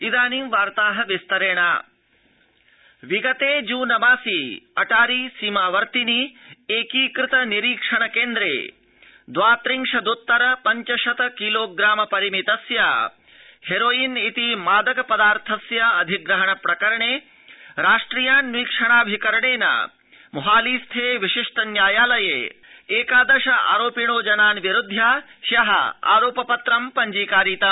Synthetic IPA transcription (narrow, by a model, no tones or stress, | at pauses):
id̪aːnimʋaːɾt̪aːɦɐʋist̪ɐɾeːɳaː | ʋiɡɐt̪eːd͡ʒuːnɐmaːsiːɐʈaːɾiːsimaːʋɐɾt̪inieːkiːkɾɪt̪ɐniɾiːkʂɐɳɐkeːnd̪ɾḛː | d̪ʋaːt̪ɾiŋʂɐd̪ut̪ːɐɾɐpɐɲt͡ʃɐʃɐt̪ɐkiloːɡɾaːmɐpɐɾimit̪ɐsjaː | heɾoːjinit̪imaːd̪ɐkɐpɐd̪aːɾt̪ʰɐsjɐɐd̪ʱiɡɾɐɦɐɳɐpɾɐkɐɾɐɳeː | ɾaːʂʈɾiːjaːnʋiːkʂɐɳaːbʱikɐɾɐɳeːna̰ | muɦaːliːst̪ʰeːʋiʃiʂʈɐnjaːjaːlɐjḛː | eːkaːd̪ɐʃɐa̰ːɾoːpiɳ̃oːd͡ʒɐnaːnʋiɾud̪ʱjaːʃjɐɦɐ̰a̰ːɾoːpɐpɐt̪ɾɐmpɐɲd͡ʒiːkaːɾiːt̪ɐ